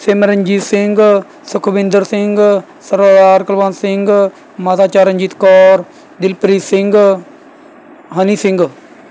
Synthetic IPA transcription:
seːməɾənd͡ʒiːsɪŋɡ | sʊkʰbɪ̃nd̪əɾsɪŋɡ | səɾaːd̪aːɾkəlʋaːnsɪŋɡ | maːt̪aːt͡ʃaːɾənʲd͡ʒiːt̪kɔːɾ | d̪ɪlpɾiːsɪ̃ŋɡ | ɦəniːsɪ̃ŋɡ

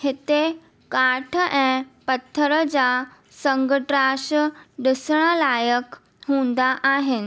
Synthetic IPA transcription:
het̪e | kaʈʰəʔẽpət̪ʰːəɾəd͡za | səŋɡəʈɾaɕɖəsɳ̃əlajək | ɦũnd̪aʔaɦen

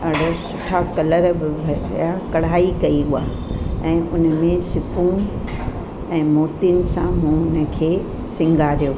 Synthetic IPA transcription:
ɐɽosʊʈʰakɐləɾbɪbʱɐjakɐɽ̤aːikɐiɦua̰ː | ɛ̃ːʔʊnmẽsɪpũ | ɛ̃ːmoːt̪inɪ̆sãmũnə̆kʰeː | sɪ̃ŋɡʱaɾijoː

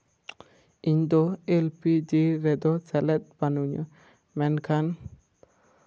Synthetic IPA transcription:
iɲd̪ɔelpid͡ʒiɾɛd̪ɔt͡ʃɛlɛt̪̚banuɲə̰ | mɛnkʰan

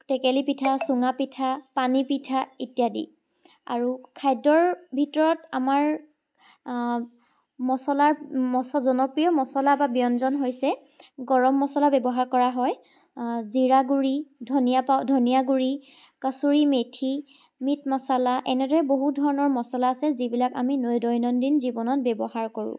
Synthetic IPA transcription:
tɛkɛlipitʰasuŋapitʰapanipitʰaitijadḭ | a̰ɹukʰajdɔɹbʱitɔɹɔtamaɹ | mɔsɔlaɹmɔsɔzɔnɔpɹijɔmɔsɔlababijɔnzɔnɦojsɛ | ɡɔɹɔmːɔsɔlabɛbɔɦaɹkɔɹaɦɔj | ziɹaɡuɹidʱɔnijapadʱonijaɡuɹi | kasuɹimetʰi | mitmɔsalaʔɛnɛdɔɹɛboɦudʱɔɹɔnɔɹmɔsalaːsɛzibilakaminojdɔjnɔndinzibɔnɔt̚bɛbɔhaɹkoɹṵ̃

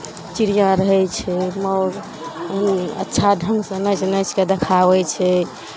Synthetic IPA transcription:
t͡ʃiɾijãɾəɦɛt͡ʃʰɛmɔɾ | ətːʃʰadʱəŋɡsə̃nət͡ʃnət͡ʃʰked̪ekʰaβɛt͡ʃʰɛ

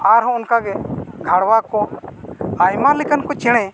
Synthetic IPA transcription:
aɾɦɔ̃ɔnkaɡɛɡʱaɽwakɔ | ajmalɛkankɔt͡ʃɛɽ̃ɛ̃

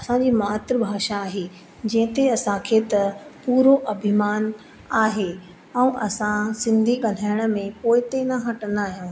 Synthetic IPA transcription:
ɐsãd͡ʑiːmaːt̪ɾəbʱaːʃaːɦe | d͡ʑɐ̃ɦɪ̃t̪eɐsãkʰeːt̪ɐpuːɾoʔɐbʱɪmaːn | aːɦe | ɛ̃ːʔɐsãsɪ̃nd̪ʱiɠɐl̤aːɪɽ̃ə̆mẽpoːɪt̪enɐɦɐʈənd̪aːɦijõː

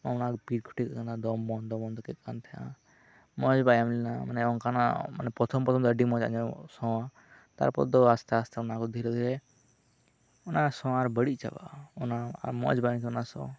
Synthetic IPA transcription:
naʊnakpiːʈ̚kʰu̥ʈikakand̪ad̪ɔmbɔnd̪ɔbɔnd̪ɔkɛkkant̪ʰɛã̰ | mɔd͡ʒbajamlɛnamanɛɔŋkana̰mə̰nɛpɾɔt̪ʰɔmpɾɔt̪ʰɔmd̪əɖimɔ̃d͡ʒã̰d͡ʒɔsɔ̃a | t̪a̰ɾpɔ̰td̪ɔast̪aəst̪ʰaʊnakɔd̪ʱiɾɛd̪ʱiɾɛ | ʊnasɔ̃aɾbəɽit͡ʃa̰ba̰ɔnaaɾmɔ̰d͡ʒbaj̃t̪ʰɔnasɔ̰̃

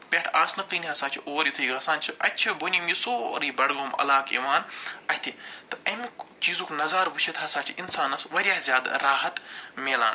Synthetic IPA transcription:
pʲeʈʰaːsnɨqiːniɦɐsãːt͡ʃʰiʔoːɾjit̪ʰuiɡɐsaːnt͡ʃʰiɐtːt͡ʃʰibunʲimisoːɾiːbɐɽɡoːmɐ̰laːkḭːʋaːnɐhʲt̪ʰit̪ɨɐmikt͡ʃiːzuːkʰnɐzaːɾbut͡ʃʰit̪ʰɦɐsaːt͡ʃʰiʔinsaːnɐsʋɐɾʲjaːhzʲjaːd̪ɾaːɦɐt̪meːla̰ːn

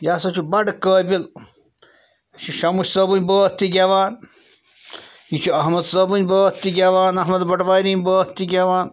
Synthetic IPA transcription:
jaːsɐt͡ʃʰubɐɖkəːbil | t͡ʃʰiʃɐmuʃsɐbunʲbəːt̪ːiɡʲeːʋaːn | jit͡ʃʰuɐɦmɐd̪sɐːbunʲbəːt̪ːiɡʲeʋaːnɐɦmɐd̪bɐʈʋaːjɾiːnbəːt̪ːiɡʲeʋaːn

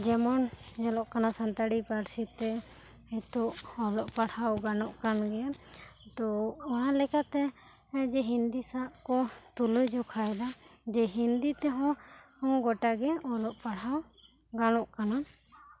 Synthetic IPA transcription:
d͡ʒɛmɔn | d͡ʒɛlɔʔkanasant̪aɽipaɾsit̪ɛ | ɛt̪ɔʔɔlɔʔpaɽhawɡanɔʔkanɡɛa | t̪ɔɔnalɛkat̪ɛ | d͡ʒɛɦind̪isaʔkɔt̪uləjd͡ʒɔkʰajd̪ad͡ʒɛɦind̪it̪ɛɦɔ̃ɔŋɡɔʈaɡɛɔlɔʔpaɽaw | ɡanɔʔkana

